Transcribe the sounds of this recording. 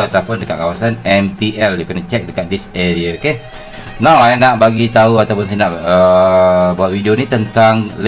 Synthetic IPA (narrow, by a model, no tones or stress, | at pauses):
at̪awpʊndəkaʔkawasanɛmpiʔɛld͡ʒukənat͡ʃɛk̚dəkaʔdɪseɾiake | nawanaʔbaɡit̪auat̪awpʊnsənaʔə | bawaʔ̪wideonit̪ənt̪aŋl